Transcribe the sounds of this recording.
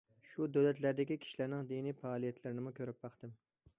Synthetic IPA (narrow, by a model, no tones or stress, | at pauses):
ʃud̪øwlɛt̪læɾd̪ɪkʲikʲʰi̥ʃilæɾnɪŋd̪inifɑːlˠijɛt̪ʰlɪɾɪnɪmukʲʰøɾɪp̚bɑχt̪ɨm